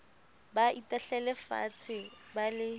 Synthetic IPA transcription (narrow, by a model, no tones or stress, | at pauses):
baitaɬɛlɛfa̰t͡sʰɪbalɪ